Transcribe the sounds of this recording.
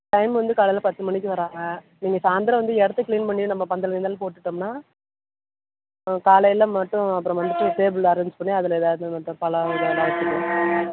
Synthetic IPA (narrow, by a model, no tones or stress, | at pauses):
ʈɐɪmʋɐnd̪ɯkaːlɐɪlɐpɐt̪ːɯmɐɳɪk̬ːɯʋɐɾaːŋɡɐ | niːŋɡɐsaːnd̪ɪɾɐ̃ʋɐnd̪ɯɛɽɐt̪ːɐkliːnpɐɳːinɐmːɐpɐnd̪ɐlɡɐnd̪aːlɐpoːʈːɯʈːɯmnaː | kaːlɐjɪlɐmɐʈːʊ̃ɐpːɯɾɔ̃ʋɐnd̪ɯʈːɯseːbɯlɐɾɛɲd͡ʒpɐɳːiɐðɪlɛðaːðɯmɐʈ̪ːɐpɐlɐɔɾɐlaːt̪ːɯkːɯ̃